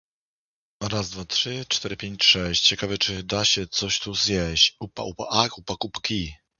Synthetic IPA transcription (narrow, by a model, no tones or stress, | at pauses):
ɾazd̪vatʂɘt͡ʂt̪ɛɾɘpʲjeɲt͡ɕʂɛɕt͡ɕt͡ɕɛkavɛt͡ʂɘd̪aɕɛt̪sɔɕt̪uzjɛɕt͡ɕupa̰upaʔakupakupkʲi